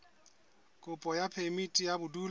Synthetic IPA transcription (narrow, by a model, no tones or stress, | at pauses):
kʼʊpʼɔjapʰemitʼijabʊduːl